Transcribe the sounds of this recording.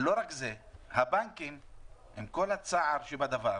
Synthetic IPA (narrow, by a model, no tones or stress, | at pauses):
lo̞ɾakzehabaŋkimhemko̞lhat͡saaʁʃebad̪ava